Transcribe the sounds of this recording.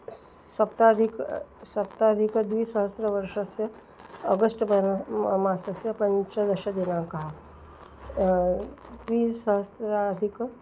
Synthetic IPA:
sɐpt̪ad̪ʱiksɐp̚t̪ad̪ʱikd̪ʋiːsəɦəst̪ɾəʋɐɾʃɐsjɐ | əɡəsʈbɐmasɐsjɐpɐ̃ɲt͡ʃəd̪ɐʃɐd̪inãkɐɦa | d̪ʋiːsəɦəst̪ɾad̪ʱik

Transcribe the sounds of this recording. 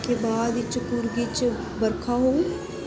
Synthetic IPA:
kebaːd̪ɪt͡ʃpʊɾɡɪt͡ʃ | bəɾkʰaɦoː

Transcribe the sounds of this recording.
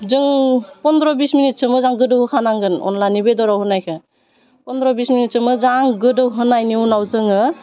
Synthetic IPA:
zɯŋpɔndɾɔbisminit̚t͡ʃɯmɯzaŋɡɯdɯwhɯkʰanaŋɡɯnɔ̰nlanibedɔɾawhɯnajkʰɯ | pɔnd̪ɾɔbisminit̚t͡ʃɯmɯzaŋɡɯdɯwɦɯnajniunawzɯŋɯ

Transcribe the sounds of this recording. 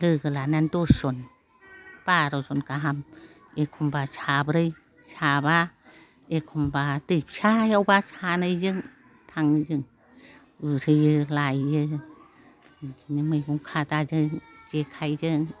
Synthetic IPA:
lɯɡɯlanantoson | paɾosonkaɦam | ekʰumbasʰabɾɯj | saba | ekʰumbatɯp̚sajawbasanɯjd͡ʒɯŋ | t̪ʰaŋd͡ʒɯŋ | ɯɾʰɯjɯlajːɯ | nɯmɯjɡuŋkʰatad͡ʒɯŋd͡ʒekʰajd͡ʒɯŋ

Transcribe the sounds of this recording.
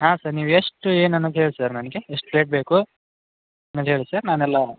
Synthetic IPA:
ɦaːsɐɾniːʋueʂʈeːnɐnːɐd̪ɦeːɭsaɾnɐnɐɡeeʂʈleːʈ̚beːku | ɐnːɐd̪ɦeːɭisɐɾnaːnɛlːɐ

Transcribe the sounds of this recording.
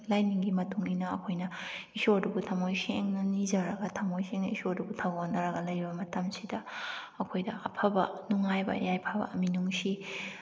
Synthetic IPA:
lajniŋɡimɐtuŋinɐɐkʰojnɐisodubutʰamojseŋnɐnizɐɾɐɡɐtʰɐmojseŋnɐisodubutʰawonɐɾɐɡɐlɐjbɐmɐtɐmsidɐ | ɐkʰojdɐʔɐ̰pʰɐbɐ̰nuŋajbɐ̰jajpʰabɐ̰ɐminuŋsi

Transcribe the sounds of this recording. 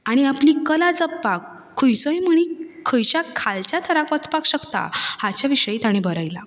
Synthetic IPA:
aɽ̃iapliːkəlad͡zəpːakʰː | əjt͡sɔ̃jm̤əɽ̃ikʰəjt͡ɕakʰalt͡ɕat̪ʰəɾakʋət͡spakɕəkt̪a̰hat͡ɕjaʋiɕəiːt̪aɽ̃ibʱəɾajla̰

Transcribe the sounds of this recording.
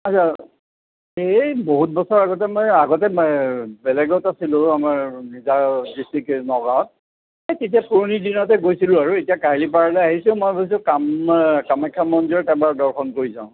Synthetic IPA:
asʰa | eboɦut̚bɔsɔɹaɡɔtɛmɔjaɡɔt̬ɛ | bɛlɛɡɔʊtasilʊ̃amaɹnizadistiknɔɡaɦɔt̚ | ajtet̬iapuɹonidinɔtɛɡojsilʊ̃aɹuetijakaɦilip̬aɹalɛaɦisʊ̃mɔjbojs̬ʊ̃kamkamakʰːamɔnzɔɹtabadɔɹxʰɔnkoɹizã̰ʊ̃

